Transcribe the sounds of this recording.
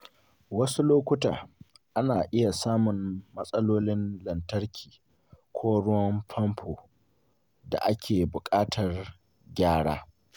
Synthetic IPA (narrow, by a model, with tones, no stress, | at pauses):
wɐ˦su˦loː˦kʷʊ˦ta̰ː˨ʔa˦naː˨ʔɪ˦ja˨saː˦mʊ˨nmɐ˦sʼɐ˦loː˦lɪ˦nlɐ˨ntɐ˦ɾkʲʰiː˨ | kʷʰoː˦ɽʊ˦wɐ˦mpʰɐ˦mpʰoː˨ | da̰˨ʔa˦kʲʰeː˨bʊ˨kʼaː˦tʰɐ˨r | ɡʲaː˦ɽa̰ː˦